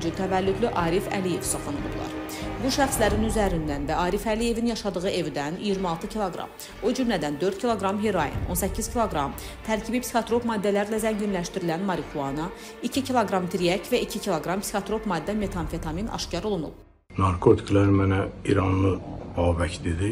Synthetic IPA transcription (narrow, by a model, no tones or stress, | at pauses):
d͡ʒyt̪ʰævælːyd̪liʔɑːɾifæ̰lije̞̰vsoχlˠɑnɯ̰nṵblˠɑ̰ɾ | buʃæχslæɾinyzæɾind̪ænvæɑːɾifælije̞vinjɑʃɑd̪ɯʁɯʔe̞vd̪ænijiɾmiɑlˠt̪ɯcʰilˠoɡɾɑ̰m | od͡ʒymlæd̪ænd̪ø̞ɾd̪cʰilˠo̞ɡɾɑmɦeɾojḭno̞nsæcʰːiz̥cʰilˠo̞ɡɾɑm | t̪ʰæɾcʰibipsixot̪ɾo̞pmɑːd̪ːælæɾilæzæɲɟinlæʃt̪iɾilænmɑɾikʰuɑnɑ | icʰicʰilˠoɡɾɑmt̪ʰɾiæcʰvæʔicʰicʰilˠoɡɾɑmpsixɑt̪ɾo̞pmɑːd̪ːæme̞t̪ʰɑnfe̞t̪ʰɑminɑ̰ʃcɑɾolˠunṵp̚ | nɑɾkʰot̪ʰi̥kʰlæɾmænæiɾɑnlˠɯbɑːbæcd̪id̪i